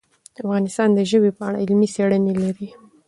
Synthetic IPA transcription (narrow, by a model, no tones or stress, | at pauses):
d̪̥əafɣɑnɪst̪ɑnd̪əʒəwepəa̰ɽa̰ɪlmiseɽənelaɾi